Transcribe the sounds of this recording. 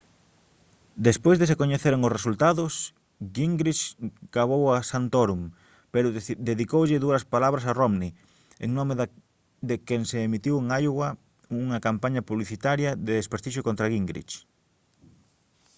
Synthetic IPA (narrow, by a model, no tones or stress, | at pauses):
d̪espojzðesekoɲeθeɾeŋosresult̪aðʊs | ɡiŋɡɾit͡ʃɡ̥aβ̞owasant̪oɾum | peɾʊd̪eðikowʎɪðuɐspalaβɾɐsaromni | ḛŋnɔme | ðekeŋseːmit̪iweŋajɣwɐ | uŋɐkampaɲɐpuβliθit̪aɾjɐðeespeɾθiʃ̬jokõnt̪ɾaɣiŋɡɾḭt͡ʃ